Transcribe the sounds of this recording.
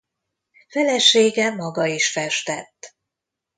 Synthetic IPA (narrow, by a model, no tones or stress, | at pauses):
fɛlɛʃeːɡɛmɒɡɒiʃfɛʃt̪ɛt̪ː